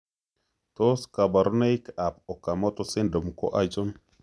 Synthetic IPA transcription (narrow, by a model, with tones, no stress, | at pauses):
to˦ska˨ba˨ɾu˦na˦jka˨po˨ka˨mo˦to˦si˦ndo˨mko̰˦ʔa˦d͡ʒo˦n